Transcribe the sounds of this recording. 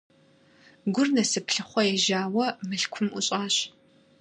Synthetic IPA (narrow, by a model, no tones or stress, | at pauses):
ɡʷʊrnɐsɨpɬɨχʷɔjɛʒaːwɐmɨɬkʷʰʊmṵɕʼaːɕ